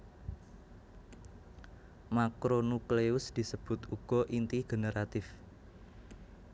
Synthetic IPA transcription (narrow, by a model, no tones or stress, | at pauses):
makɾonukleʊsd̪̥i̤səb̥ʊt̪uɡ̥ɔ̤ʔint̪iɡ̥ənəɾat̪ɪf